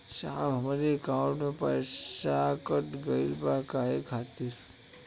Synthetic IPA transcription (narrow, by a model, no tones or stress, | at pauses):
saːbɦəmɾekawʈmepə̰ɾsakəʈɡəilbakaːekʰaːt̪iɾ